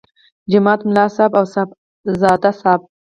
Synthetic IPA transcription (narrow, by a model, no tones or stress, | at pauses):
d͡ʒɪmɑːt̪mlɑːsɑbawsab | zɑːd̪asɑːb̚